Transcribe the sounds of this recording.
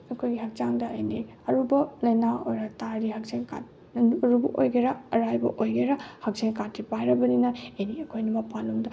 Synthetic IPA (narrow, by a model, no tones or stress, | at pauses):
ɐkʰojɡiɦɐk̚t͡ʃaŋdɐɐjni | ɐɾubɐlɐjnao̰ɾɐtaɾiɦɐk̚seŋka̰t | ɐɾubɐ̰ʔojɡeɾɐɐɾajbɐ̰ʔojɡeɾɐhɐk̚seŋkatːipajɾɐbɐninɐɐjniɐkʰojnɐmɐpaluŋdɐ